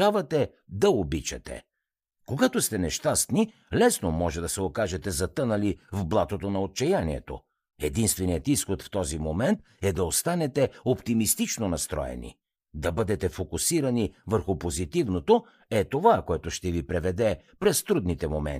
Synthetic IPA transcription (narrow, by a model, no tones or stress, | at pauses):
avɐt̪ɛ | d̪ɐobit͡ʃɐ̰t̪ɛ̰ | koɡat̪ost̪ɛnɛʃt̪ast̪ni | lɛsnomɔʒɛd̪ɐsɛokaʒɛt̪ɛzɐt̪ɤnɐlivblˠat̪ot̪onɐot̪̚t͡ʃɛjanḭɛ̰t̪o̰ | ɛd̪inst̪vɛnijət̪isxot̪ft̪ɔzimomɛnt̪ | ɛd̪ɐost̪anɛt̪ɛopt̪imist̪it͡ʃnonɐst̪ɾɔ̰ɛ̰nḭ | d̪ɐbɤd̪ɛt̪ɛfokusiɾɐnivəɾxupozit̪ivnot̪o | ɛt̪ovakoɛt̪ʊʃt̪ɛvipɾɛvɛd̪ɛpɾɛst̪ɾud̪nit̪ɛmomɛ̰n